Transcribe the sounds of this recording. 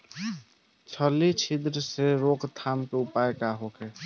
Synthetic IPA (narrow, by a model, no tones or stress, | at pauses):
t͡ʃʰəlit͡ʃʰid̪ɾseɾoːkt̪ʰaːnpeʊpaːekaɦoːkʰeː